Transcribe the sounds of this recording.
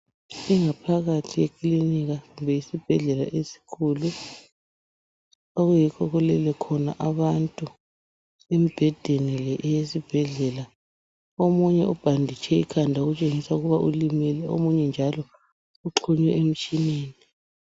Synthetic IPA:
iŋapʰaɣatʰijekʰʼliniɣaɣumbʱɛjisib̥ʱɛɮɛla̰ʔesi̥kʰulu | aɣujikʰɔɣɔlɛlɛkʰɔna̰ʔaβantʼu | emib̥ʱɛd̥ʱenɛlɛʔɛjesib̥ʱɛɮɛla | omuɲɛʔub̥ʱandʱit͡ʃʰɛikʰandʱaoɣut͡ʃʼeŋisauɣuβaʔulimɛlɛo̰muɲɛnd͡ʒʱalɔ | uǁʰuɲwɛʔem̩t͡ʃʼineːni

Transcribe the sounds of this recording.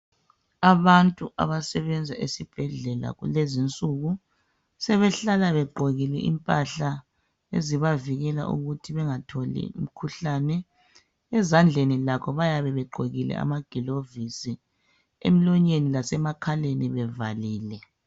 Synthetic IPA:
aβantʼuʔa̰βasɛβɛnd͡zʱaʔesib̥ʱɛɮɛla̰ɣṵlezint͡sʼuɣu | sɛβɛɬalaβɛɡ͡ǃʱoɣilɛʔḭmpʼaɬa | ḛziβaviɣɛla̰ʔṵɣutʰiβɛŋatʰolḭṵm̩kʰuɬanɛ | ɛzand͡ɮʱenilakʰɔβajaβɛβɛɡ͡ǃʱoɣilɛ̰a̰maɡ̥ʱilovisi | ḛm̩lɔɲenilasɛmakʰaleniβɛvaliːlɛ

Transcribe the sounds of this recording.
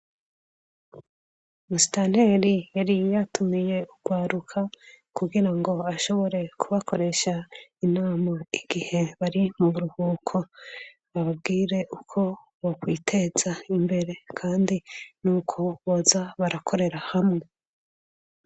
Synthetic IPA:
musi̥tan̥he̞ɾijaɾijatumije̞uɡ̥waːɾukʰa | kuɡiɾaŋɡo̞aʃo̞βo̞ɾe̞kʰuβakʰo̞ɾe̞ʃainaːmaiɡ̥ihe̞βaɾimuβuɾuhuːkʰo | aβab̚ɡiːɾe̞ʔukʰo̞ | βokwiːtʰe̞z̥aimbe̞ɾe̞kʰaːndinuːkʰo̞βozaβaɾakʰo̞ɾe̞ɾahamŋe̞

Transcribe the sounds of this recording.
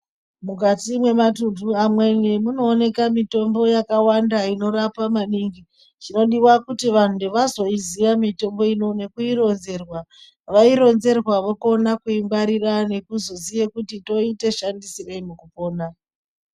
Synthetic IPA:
muk̬atimwe̞matunduamwe̞nemuno̞ːne̞kamito̞mbo̞jakawandaino̞ɾapamaniŋɡi | t͡ʃino̞ɗiwakutiʋan̤udeʋazo̞iziʋamito̞mbo̞ino̞ne̞kuiɾo̞nze̞rwa | ʋaiɾo̞nze̞rwaʋoko̞nakuimbaɾirane̞kuzo̞zijekutito̞ite̞ʃandisireimukupo̞ːna

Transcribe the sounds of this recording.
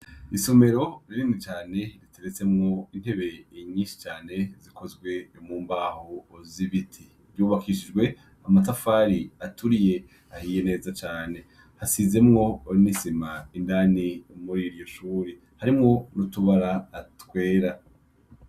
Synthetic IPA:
isome̞ɾo̞ɾiɾimŋit͡ʃaːne̞ɾitʰe̞ɾet͡se̞mŋo̞in̥he̞βe̞iɲiːnʃi̥t͡ʃaːne̞ziko̞zɡwe̞muːmbaːhoːziβitʰi | βjuːβakʰiʃ̬id͡ʒɡwe̞ | amatafaːɾiatuɾije̞ | ahiːje̞ne̞ːzat͡ʃaːne̞ | hasize̞mŋo̞oɾinisimaindaːniomuɾiɾjo̞ʃuːɾi | haɾimŋo̞ɾutuβaɾaːtwe̞ːɾa

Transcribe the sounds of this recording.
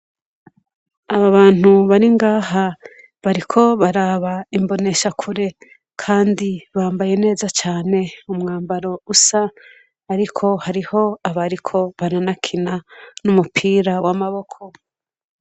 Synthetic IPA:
aβaβaːn̥uβaɾiŋɡaːha | βaɾikʰo̞βaɾaːβaimbo̞ne̞ʃakʰuɾe̞ | kʰaːndiβaːmbaje̞ne̞ːzat͡ʃaːne̞umŋaːmbaɾo̞usaː | ɾikʰo̞haɾiho̞aβaɾikʰo̞βananakʰinanumupʰiːɾawamaβo̞kʰo̞

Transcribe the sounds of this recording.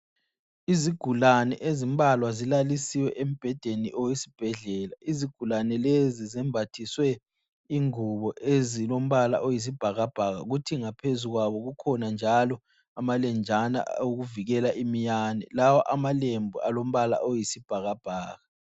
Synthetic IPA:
iziɡ̥ʱulanɛ̰ʔezim̩bʱalwazilalisiwɛʔem̩b̥ʱɛd̥ʱeniʔɔwesi̥b̥ʱɛɮɛːlaiziɡ̥ʱulanɛlezizɛmbʱatʰiswɛ | iŋuβɔʔezilom̩βala̰ʔojis̬ib̥ʱaɣab̥ʱaɣa̰ɣutʰiŋapʰezuɣwaβɔɣukʰɔnand͡ʒʱalɔ | amalɛnd͡ʒʱana̰oɣuviɣɛlaʔimijaːnɛ̰lawɔʔamalembʱualom̩βala̰ʔojisib̥ʱaɣab̥ʱaːɣa

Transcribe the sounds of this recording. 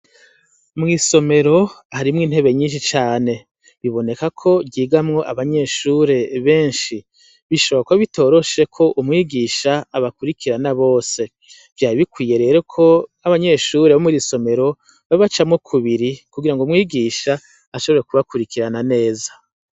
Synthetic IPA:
mŋiːso̞me̞ɾo̞haɾimŋiːn̥he̞βe̞ɲiːnʃ̬it͡ʃaːne̞ | βiβo̞ne̞kakʰo̞bɟiːɡamŋo̞ʔaβaɲe̞ʃuɾe̞βe̞ːnʃi | βiʃoβoakoβito̞ːɾo̞ʃe̞kʰo̞ʔumŋiːɡiːʃaːβakuɾikʰiɾanaβo̞ːse̞ | vjaːɾiβikwiːjeɾe̞ɾekʰo̞aβaɲe̞ʃuːɾeβomuɾiso̞me̞ɾo̞ | βaβat͡ʃamŋo̞kʰuβiɾikuɡiɾaŋɡomŋiːɡiːʃaː | ʃo̞βe̞ɾe̞kuβakuɾikiɾanane̞ːza

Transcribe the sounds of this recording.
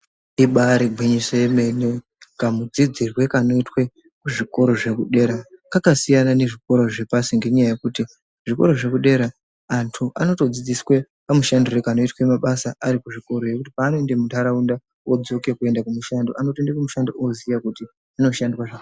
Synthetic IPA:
iɓaɾiɡʱwiɲiseeme̞ne | kamud͡zid͡zirwe̞kano̞itwe̞ | kuʐiko̞ɾo̞ʐe̞kuɗe̞ːɾakakasijanane̞ʐiko̞ɾo̞ʐe̞pasiŋɡe̞ɲajaje̞kuti | ʐiko̞ɾo̞ʐe̞kuɗe̞ɾaː | ntʰuʔano̞to̞d͡zid͡ziswe | pamuʃandorekano̞itwe̞maɓasaaɾikuʐiko̞ɾo̞je̞kutipaːnoendemutaɾaunda | wod͡zo̞kekue̞ndakumuʃandoʔanotondekumuʃandoʔozijakuti | ano̞ʃandwaʐaka

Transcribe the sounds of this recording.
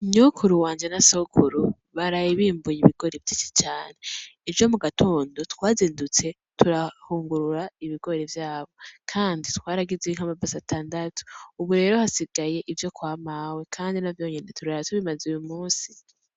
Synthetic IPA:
ɲokʰuɾuwaːɲd͡ʒenasokʰuɾu | βaɾajiβiːmbujiβiɡ̥o̞ɾevjit͡ʃi̥t͡ʃaːne̞ːvjo̞muɡatʰo̞ːndo̞tkwaːziːndut͡se̞ | tʰuɾahuːŋɡuɾuɾaiβiɡo̞ɾevjaːβo̞kʰaːnditwaːɾaɡiziiŋ̥hamabasatʰaːndatʰu̥uβuɾe̞ːɾo̞hasiɡaje̞ʔivjo̞kwaːmawe̞kʰaːndinavjo̞ːɲenetʰuɾaatuβimazujumuːnsi

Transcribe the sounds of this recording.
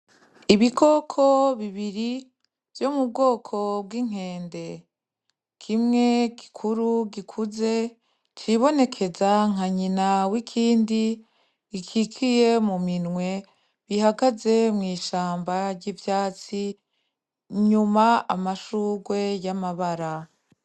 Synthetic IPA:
iβikʰo̞kʰo̞βiβiɾi | v̥jomub̚ɡo̞ːkʰo̞b̚ɡiŋ̥ɦe̞ːnde̞ | kʰimŋe̞ɡi̥kʰuɾuɡikʰuze̞ | t͡ʃiβo̞ne̞kʰe̞zaŋ̥aɲinawikʰiːndiː | kʰikʰije̞muminŋwe̞ | βihaɡaze̞mŋiːʃaːmbaɾɟivjaːt͡si | ɲumaa̰maʃuːɡwe̞jamaβaɾa

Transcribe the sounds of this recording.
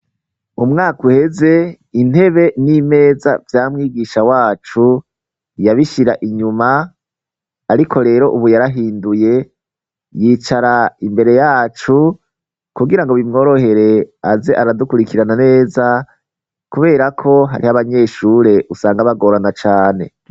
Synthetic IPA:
umŋaːkuhe̞ze̞ | in̥he̞βe̞nime̞ːza̰vjaːmŋiːɡiːʃawaːt͡ʃu | jaβiʃiɾaʔiɲuma | ɾikʰo̞ɾe̞ːɾo̞ʔuβujaɾaɦiːnduje̞ | jiːt͡ʃaɾaimbe̞ɾe̞jaːt͡ʃu | kuɡiɾaŋɡoβimŋo̞ːɾo̞ɦe̞ɾe̞aze̞ʔaɾadukuɾikiɾanane̞ːza | kuβe̞ːɾakʰo̞ɦa̰ɾihaβaɲe̞ːʃuɾe̞ʔusaːŋɡaβaɡoːɾanat͡ʃaːne̞̰

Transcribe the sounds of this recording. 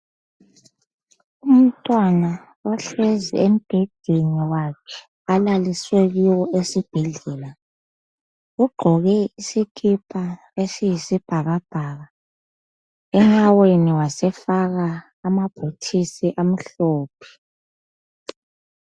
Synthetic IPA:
um̩tʼwana | ɔɬwɛzɛ̰em̩b̥ʱɛd̥ʱiniwakʰɛ̥ | alaliswɛɣiwɔesib̥ʱɛɮɛːla | ɣuɡ͡ǃʱɔɣɛisikʰʼipʰʼa | esijisib̥ʱaɣab̥ʱaːɣa | ɛŋaweniwasɛfaɣaː | mab̥ʱotʰisiʔam̩ɬoːpʰi̥

